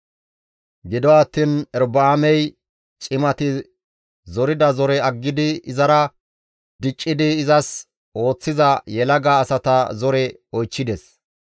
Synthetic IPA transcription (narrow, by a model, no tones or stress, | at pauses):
ɡɪd̪ɔaːt̪ːiːnɛɾbaːmɛj | t͡ʃʼɪmɐt̪ɪ | zɔɾɪd̪ɐzɔɾɛɐɡːɪd̪ɪɪzɐɾɐ | d̪̥ɪt͡ʃʼːɪd̪ɪːzɐs | o̞ːt͡sːɪzɐjɛlɐɡaːsɐt̪ɐzɔɾɛ | ɔjt͡ʃːɪd̪ɛs